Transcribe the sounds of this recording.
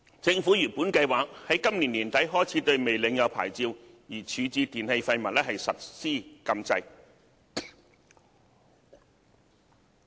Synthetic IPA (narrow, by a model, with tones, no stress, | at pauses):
t͡sɪ˧ŋfu˨˥jyː˨˩npuː˨˥nkɐ˧jwaː˨k̚hɐ˨˥jkɐ˥mliː˨˩nliː˨˩nt̪ɐ˨˥jɦɔː˥˩jt͡sʰiː˨˥t̪ɵ˧ɥme˨jlɪ˨˥ŋjɐ˨˧wpʰa̰ː˨˩jt͡siː˧w | jiː˨˩t͡ʃʰyː˨˥t͡siː˧t̪iː˨˩nhe˧jfɐ˧jmɐ˨t̚lɛ˥ɦɐ˨jsɐ˨t̚siː˥kɐ˧mt͡sɐ˧j